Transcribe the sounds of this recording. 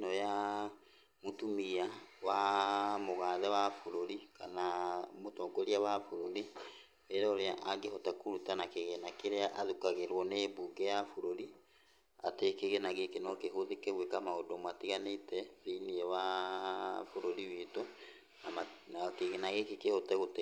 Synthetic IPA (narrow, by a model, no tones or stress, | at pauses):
nɔja | motumiawamoɣaːðɛwafoɾoɾikanamotɔɡɔɾiawafoɾoɾi | eɾɛoɾeaʔaŋɡehɔtakuɾutanakeɣɛnakeɾeaʔaðukaɣeɾwɔnebuːɡɛjafoɾoɾi | a̰tekeɣenaɣekenɔkeɦoðikɛɣwekamaodɔmwatiɣanetɛviniɛwa | foɾoɾiwito | namanakeɣenaɣekekehotɛɣote